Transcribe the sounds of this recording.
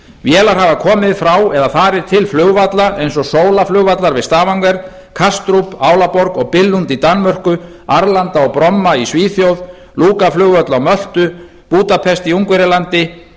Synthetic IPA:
vjɛːlaɾ̥havakʰɔːmɪðfɾawɛðaθaːɾɪɾ̥t̪ʰɪlflʏɣvat̪laʔejnsɔsoːwlaflʏɣvat̪laɾvɪðst̪aːvaŋkɛɾ̥ | kʰast̪ɾupaːwlapɔɾkɔɣpɪlːunt̪it̪anːmœr̥kʏ | aɾlant̪aɔɣpɾɔmːaisviːθjowð | luːkaflʏɣvœt̪laɔmœl̥t̪ʏ | puːt̪apʰɛst̪iuŋkvɛɾɪlant̪ɪ

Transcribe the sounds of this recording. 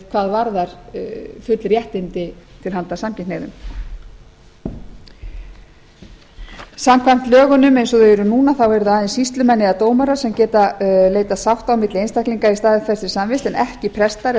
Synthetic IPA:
kʰvaːðvaɾðaɾ̥fʏt̪lɾjɛht̪ɪnt̪ɪt̪ʰɪlɦhant̪asamcɪnnejðʏ̰m | samkʰvajm̥t̪lœːɣʏnʏmejnsɔðeɛɾʏnuːnaθawɛɾðʏajðɪnsist̪lʏmɛnːɪðat̪oːwmaɾasɛmcɛːt̪aleːjt̪asawht̪awmɪt̪lɪejnst̪akliŋkaist̪aːðɪkθɛ̥sɪɾ̥samvɪst̪ɛnɛhcɪpʰɾɛst̪aɾ

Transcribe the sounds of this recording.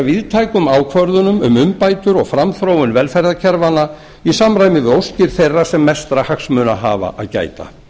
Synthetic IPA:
vɪðt̪ʰaːjkʏmaːwkʰvœɾðʏnʏmʏmʏmpaːjt̪ʏɾɔɣfɾamθɾoːwʏnvɛlfɛjɾðacʰɛɾvana | isamɾaːjmɪðowscɪɾ̥θejrːasɛmːɛst̪ɾahaksmʏːnaɦaːva̰ʔa̰ðca̰ːjt̪a̰

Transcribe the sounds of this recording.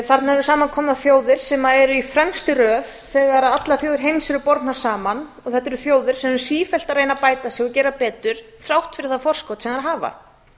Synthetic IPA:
θaɾt̪naɛɾʏsaːmankʰɔːmnaðfjoːwðɪɾ̥sɛmaɛɾʏifɾɛmst̪ʏɾœːð | θɛɣaɾaðat̪laθjowðɪɾ̥ɦejmsɛɾʏpɔɾt̪nḁsaːmanɔθɛht̪ːɛɾʏθjoːwðɪɾ̥sɛmʏsiːfɛl̥t̪aɾrejnapaːjt̪asɛɣɔcɛːɾapɛːt̪ʏɾ̥ | θɾawht̪fɪɾɪðθaðfɔr̥skɔwt̪sɛnaɾɦaːva̰

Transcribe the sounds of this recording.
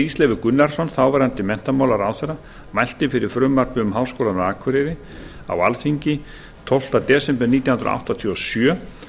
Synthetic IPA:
islɛːvɪɾkʏnːaɾ̥sɔnθawvɛɾant̪ɪmɛn̥t̪amaːwlaɾawθɛɾa | majl̥t̪ɪfɪɾɪɾ̥fɾʏmːaɾpʏʏmɦaːwskowlanaaːkʰvʏɾɪðɪ | a̰walfiɲcɪ | t̪ʰɔl̥t̪at̪ɛːsɛmpɛniːt̪jawhnɾa̰ʔa̰wht̪at̪ʰiɔsjœː

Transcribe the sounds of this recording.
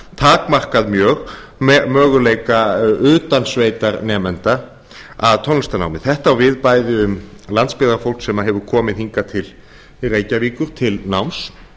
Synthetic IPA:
t̪ʰaːkmar̥kaðmjœːɣ | mœːɣʏlejkaʏːt̪ansveːjt̪aɾnɛːmɛnt̪a | a̰ðt̪ʰɔnːst̪ana̰wnɪθɛht̪aːwvɪðpaːjðɪʏmlant̪spɪːðaɾafowlksɛmːaɦɛvʏɾkʰɔːmɪðhiŋkat̪ʰɪl | reːjcaviːkʏɾ̥t̪ʰɪlnawms

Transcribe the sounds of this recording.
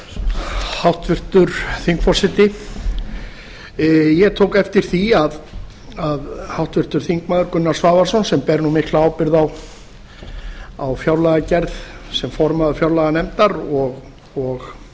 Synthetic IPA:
hawht̪vɪr̥t̪ʏɾ̥θiŋkfɔ̥sɪt̪ɪ | jɛɣt̪ʰoːwkɛft̪ɪɾ̥θiað | aðhawht̪vɪr̥t̪ʏɾ̥θiŋkmaːðʏɾkʏnːaɾ̥svaːvaɾsɔnsɛmpɛɾnumɪhklaawpɪɾðaw | awfjawɾlaɣacɛɾðsɛmfɔɾmaðʏfjawɾlaɣanɛmt̪aɾɔɣ | ɔɣ

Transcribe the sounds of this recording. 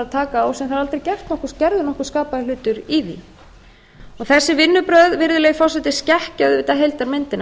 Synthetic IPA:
aðt̪ʰaːkaoːwsɛmθaɾalt̪ɾejcɛr̥t̪nɔhkʏɾscɛɾðʏnɔhkʏɾ̥skaːpaðɪlʏːt̪ʏɾiðḭ | ɔɣθɛsːɪvɪnːʏpɾœðvɪɾðʏlɛjɣfɔr̥sɛt̪ɪ̥scɛhcaðʏʏːt̪aɦejlt̪aɾmɪnt̪ɪn

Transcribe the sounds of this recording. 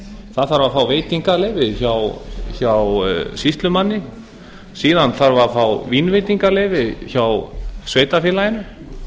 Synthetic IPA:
θaðθaɾvafaːwveːjt̪iŋkaleːvɪçawçawsist̪lʏmanːɪ | siːðanθaɾvafawvinvejt̪iŋkaleːjvɪçawsveːjt̪afjɛːlajɪnʏ

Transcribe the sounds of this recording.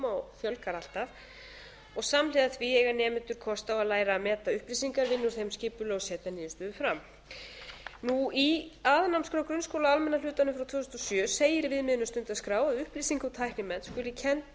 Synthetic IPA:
awfjœlkaɾal̥t̪aθ | ɔɣsamlɪːðaθviɛɣanɛːmɪnt̪ʏɾ̥kʰɔst̪awaðlaːjɾaːmɛːt̪aʏhplisiŋkaɾvɪnːʏɾ̥θejmscɪːpʏlːɣɔsɛːt̪aniːðʏst̪ʏːðʏfɾam | nuiaðnamskɾawkɾʏnskowlaalmɛnːalʏːt̪anʏmfɾawt̪ʰvʏːθʏsn̬ːɔsjœːseːjɪɾvɪðmɪðɪnʏmst̪ʏnt̪ɪaskɾaːwaðʏhplisiŋkawt̪ʰajhknɪmɛnskʏːlɪcʰɛnt̪

